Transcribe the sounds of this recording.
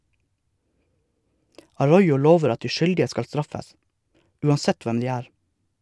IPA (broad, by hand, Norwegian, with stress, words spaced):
ɑˈɹɔʏʊ ˈloːʋəɾ ˈɑt ˈdiː ˈʃʏldɪə ˈskɑl ˈstɾɑfəs ˈʉːɑnˌsɛt ˈʋɛm ˈdiː ˈæːɾ